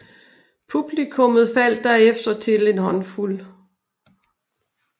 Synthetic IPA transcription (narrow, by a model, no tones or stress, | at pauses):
pʰub̥likʰɔ̽mð̞̩ˠfæl̰d̥æɐefd̥ɐt͡sʰe̝le̝nhɒ̽nful